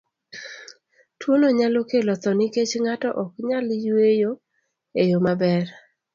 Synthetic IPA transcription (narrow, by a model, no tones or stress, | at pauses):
twonoɲalokelɔt̪ɔnɪket͡ʃŋatɔʔɔkɲaljwejo | ejomabɛr